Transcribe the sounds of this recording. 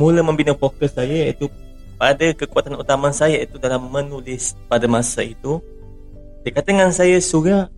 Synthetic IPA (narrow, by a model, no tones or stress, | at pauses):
mulamə̃mbinafokəsːajaḭt̪u | padakəkuat̪anut̪amansajait̪udalamːə̃nulɪspadamasait̪u | dikat̪əŋansajasuɾa